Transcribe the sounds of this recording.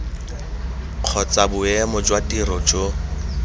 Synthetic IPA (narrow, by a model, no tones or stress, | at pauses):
q͡χʰɔt͡sʼabʊɛmɔd͡ʒwatʼirɔd͡ʒo